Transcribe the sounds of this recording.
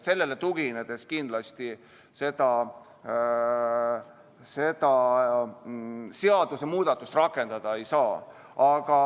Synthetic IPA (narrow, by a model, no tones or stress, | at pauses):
se̞lːe̞le̞t̪uɡ̥ined̪̥e̞skind̪̥lɑst̪i | se̞d̪̥ɑ | se̞d̪̥ɑ | seɑd̪usemuːd̪̥ɑt̪ːˑust̪rɑkːˑe̞nd̪̥ɑd̪̥ɑe̞jsɑː | ɑɡ̥ɑ